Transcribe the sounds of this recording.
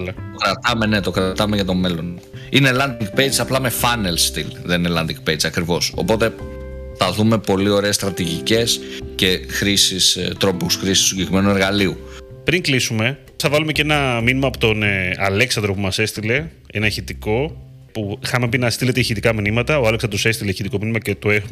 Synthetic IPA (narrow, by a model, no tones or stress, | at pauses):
lɐt̪okɾɐt̪ɐmene̞t̪o̞kɾɐt̪ɐmeʝɐt̪o̞me̞lo̞n | inelɐnd̪iŋɡpe̞jd͡ʒɐplɐme̞fɐne̞lst̪ilðeninelɐnd̪iŋɡ̚pejt͡sɐkɾivo̞so̞̰po̞t̪e | θɐðume̞po̞lio̞ɾe̞ːst̪ɾɐt̪iʝice̞sce̞xɾisist̪ɾopusxɾisi̥ssusiɟekɾime̞nue̞ɾɣɐliu | pɾiŋklisume̞ | θɐvɐlume̞cenɐminimɐːpot̪o̞nɐleksɐnd̪ɾo̞pumɐse̞st̪ile̞ | enɐçit̪iko̞ | puxɐmepinɐst̪ile̞t̪eçit̪ikɐminimɐt̪ɐoɐleksɐnd̪ɾosest̪ileçit̪iko̞minimɐcet̪oex